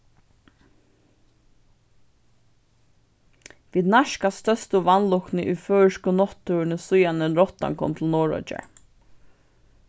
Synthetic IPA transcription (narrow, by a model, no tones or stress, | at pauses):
ʋiːd̪naʃkast̪œst̪ʊʋanlʊknɪʔuføːɹʃkʊnɔt̪ʰːʉnəsʊjanəɾɔt̪a̰ŋkʰɔ̰mt̪ʰɪlnɔːɹɔ̰t͡ʃa̰ɹ